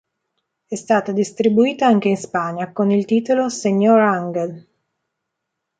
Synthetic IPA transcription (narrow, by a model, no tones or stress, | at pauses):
ɛst̪aːt̪ad̪ist̪ɾibuiːt̪aaŋk̟einspaɲːakonilt̪iːt̪oloseɲːoɾaŋɡel